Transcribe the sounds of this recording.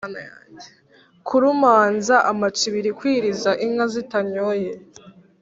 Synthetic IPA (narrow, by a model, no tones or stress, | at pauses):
naɲe | kʰuɾumaːnzaʔamat͡ʃiβiɾikwiːɾizaʔiŋazitaɲoje